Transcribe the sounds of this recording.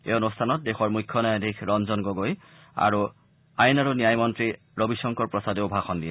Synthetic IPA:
eʊnustʰanɔt̚dexɔɹmujkʰːɔnajadʱikʰɹɔnzɔnɡoɡoj | a̰ɹu | ajnaɹunijajmɔntɹi | ɹobisɔŋkɔɹpɹɔsadeʊbʱaxɔndijɛ

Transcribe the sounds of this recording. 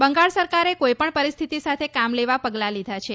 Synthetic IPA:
bəŋɡaɭsəɾkaɾekojpəɳpəɾist̪ʰit̪isat̪ʰekamleʋapəɡlalid̪ʱat͡ʃʰe

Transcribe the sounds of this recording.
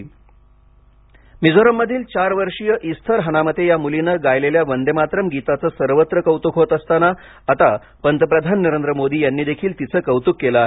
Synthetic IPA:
mid͡zoɾəmːəd̪ʱiːlt͡ɕaɾʋəɾʂijəʔist̪ʰəɾɦənamət̪ʰejamulinəɡajleljaʋənd̪ʱemat̪ɾəmɡit̪at͡səːsəɾʋət̪ɾəkəwt̪ukʰɦot̪əst̪anaː | t̪a | pənt̪əpɾəd̪ʱannəɾend̪ɾəmod̪ʱiːjanːiːd̪ekʰiːlt̪it͡səːkəwt̪ukːelaaɦ

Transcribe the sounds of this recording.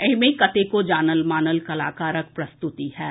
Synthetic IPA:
ɛɦmẽkɐt̪ekod͡ʒaːnəlmaːnəlkɐlaːkaːɾək̚pɾɐst̪ʊt̪ihɛː

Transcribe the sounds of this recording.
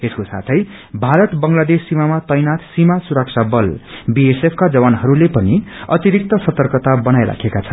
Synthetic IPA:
eskosa̰t̪ʰʌj | bʱaɾʌt̪bʌŋlad̪esːimamat̪ʌjnat̪simasuɾʌk̚t͡sʰabʌlbiesepʰkad͡zʌbanɦʌɾulepʌniʌt̪iɾik̚t̪ʌsʌt̪ʌrkʌt̪abʌnajɾa̰kʰekat͡sʰʌn

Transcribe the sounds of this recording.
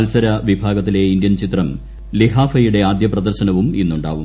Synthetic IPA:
lsɐɾɐʋibʱaːɡɐt̪ːileind̪jɐnt͡ɕit̪rɐm | liɦaːfɐjuɽe̞aːd̪jɐprɐd̪ɐrɕɐnɐʋuminːuɳɖa̰ːʋu

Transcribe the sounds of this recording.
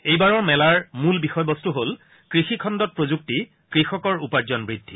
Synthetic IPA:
ejbaɹɔɹmɛlaɹmulbixɔjbɔstuɦol | kɹixikʰɔndɔt̚pɹozuk̚ti | kɹixɔkɔɹupaɹzɔnbɹidʱːi

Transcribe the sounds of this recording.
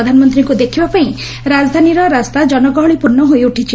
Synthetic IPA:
d̪ʱanɔmɔnt̪ɾiŋkud̪ekʰibapaĩ | ɾad͡ʒɔd̪ʱaniɾɔɾast̪ad͡ʒɔnɔɡɔɦɔɭipuɾnːɔɦojuʈʰit͡ʃʰi

